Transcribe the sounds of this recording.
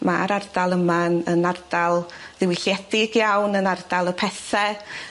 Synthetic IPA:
maɾardalˠəmanənard̥alˠðɪwɪɬjɛd̥ɪɡjawnənard̥alˠəpʰɛθɛ

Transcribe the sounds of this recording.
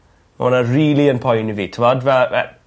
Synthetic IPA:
o̰nariːliənpʰɔjniviːtʰəmɔdvɛɛ̰

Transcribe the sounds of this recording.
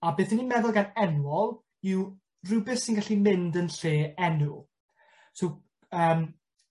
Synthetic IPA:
abeːθənimɛðʊlˠɡanɛnwɔlˠ | iw | rʊbɨθsɪnɡaɬimɪndənɬeːɛnu | sow | əːm

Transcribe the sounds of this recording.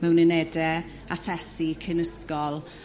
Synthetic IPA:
mɛwnɪnɛdɛ | asɛsikʰɪnəskɔlˠ

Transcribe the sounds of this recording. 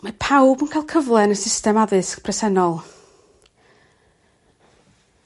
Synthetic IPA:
mapʰawbənkʰajlˠkʰəvlˠɛnəsɪstɛmaðɨskpʰrɛsɛnɔlˠ

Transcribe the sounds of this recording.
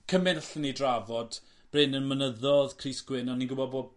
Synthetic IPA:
kʰəmɪnəɬənidravɔd̥ | b̥renənmənəðɔðkʰriːsɡ̥wɪnɔnːiɡʊbɔboːd̚

